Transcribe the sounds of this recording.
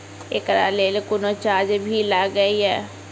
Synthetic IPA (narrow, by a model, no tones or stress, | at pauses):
ḛːkɾa̰ːleːlekʊnot͡ʃaːd͡ʒbʱilaɡəiɦɛː